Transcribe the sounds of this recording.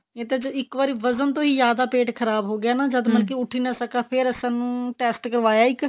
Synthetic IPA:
eːt̪ed͡ʒɪkʋaːɾiːʋəzənt̪õːɦiːzjaːd̪aːpeːʈkʰəɾaːbɦoːɡɪjaːnãːd͡ʒəd̪məlk̬iʊʈʰːiːnasəkaːpʰɪɾəsãːnũːʈɛːsʈkəɾʋaːjaːɪk

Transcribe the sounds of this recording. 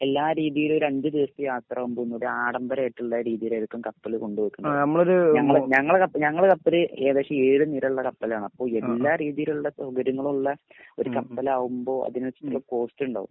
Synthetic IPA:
e̞lːaːɾiːðijilo̞ɾuɐɲd͡ʑɨd̪iʋɐst̪ɨjaːt̪rɐaːʋumboenːoɽuaːɽɐmbɐɾaːjiʈːuɭːɐɾiːðijilajɾukʲːumkɐpːɐlɨko̞ɳɖuʋɐkːunːnɐmːɐɭoɾuɲɐŋːɐɭɲɐŋːɐɭkɐpːɲɐŋːɐɭkɐpːɐlɨeːðeʂɐeːɻɨniːɾɐuɭːɐkɐpːɐlɐaːɳɨɐpːo̞ːɭe̞lːaːɾiːðijiluuɭːɐsɐɡɐɾuŋːɐɭuɭːɐ | o̞ɾukɐpːɐlɐaːʋumbo̞ːʔɐ̰ðinʋɐt͡ɕːɐt̪ːulːɐko̞ːstɨuɳɖa̰ːʋṵmː

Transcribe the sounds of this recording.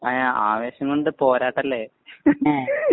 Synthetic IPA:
ajaːʔaːʋe̞ːɕjɐŋɡoɳɖɨpo̞ːɾaːʈːɐlːe

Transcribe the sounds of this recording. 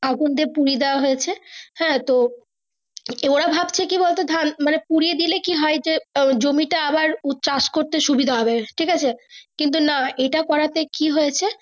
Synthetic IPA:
aɡund̪eɾpuɾied̪eaɦojet͡ɕʰehɛ̃t̪o | eoɽabʱabt͡ɕʰekibolt̪ed̪ʱanmanepuɾied̪ilekiɦɔed͡ʑed͡ʑomiʈaabaɾut̪t͡ɕaʃkoɾt̪eʃubid̪ʱaɦɔbeʈʰikat͡ɕʰekint̪̬unaejʈakɔɾat̪ekiɦojet͡ɕʰe

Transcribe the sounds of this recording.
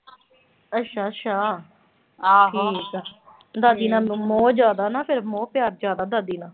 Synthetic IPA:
əʃʰaːʃʰaː | ɦʈʰːkː | d̪aːd̪iːnãːmoːd͡ʒjaːd̪aːnaːpʰɪɾmõːpɪjaːɾd͡ʒjaːd̪aːd̪aːd̪iːnãː

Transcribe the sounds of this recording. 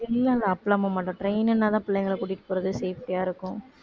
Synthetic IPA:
ɪlːalɐɐpːlaːmamaːʈːɐ̃ʈɾɐɪnɛnːaːt̪ãːpɪlːɛjŋɡɐɭkuːʈːɪʈːɯ̥poːɾɐðɯseːfʈijaːɪɾɯkːʊ̃

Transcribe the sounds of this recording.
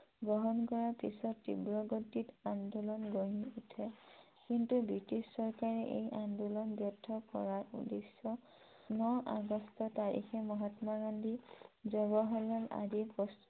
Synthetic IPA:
ɡɹɔɦɔnkɔɹaɹpisɔtːḭbɹɔɡɔtːitandulɔnɡoɦiutʰɛ | kintubɹitisːɔɹkaɹɛʔḛjʔandulɔnbjɔtʰːɔkɔ̰ɹaṵdesːɔ | nɔʔa̰ɡɔstɔtaɹḭxɛmɔɦatmaɡandʱizɔbɔɦɔlala̰dipɔst

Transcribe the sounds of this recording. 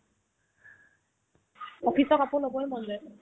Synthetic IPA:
ɔpʰisɔkapʊnobɔɛmɔnzɛ

